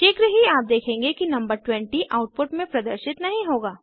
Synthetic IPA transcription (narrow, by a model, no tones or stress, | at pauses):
keːkɾəɦiaːp̚d̪eːkʰẽːŋɡekinɐ̃mbəɾʈwɛ̃ɳʈiʔaːʊʈ̚pʊʈmẽpɾɐd̪əɾʃɪt̪nɐɦĩɦoːɡaː